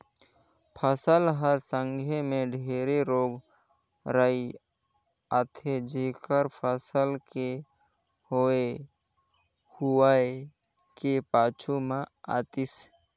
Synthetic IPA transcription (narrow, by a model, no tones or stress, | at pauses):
pʰəsəlɦəɾsəŋɡʱemẽɖʱeːɾeɾoːɡ | ɾəi | at̪ʰed͡ʒekəɾpʰəsəlke | hoe | huae | kepaːt͡ʃʰumãa̰t̪is